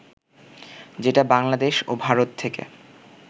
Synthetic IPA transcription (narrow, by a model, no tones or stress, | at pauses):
d͡ʑeʈabaŋlad̪eʃobʱaɾot̪ʰːekḛ